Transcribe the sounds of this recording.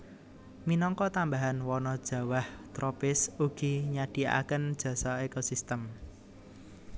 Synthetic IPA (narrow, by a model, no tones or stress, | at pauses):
minɔŋkɔt̪ambaɦanwɔnɔd̥ʒ̥ä̤waht̪ɾɔpɪsuɡ̥i̤ɲaɖ̥i̤a̰kənd̥ʒ̥ä̤saekosist̪əm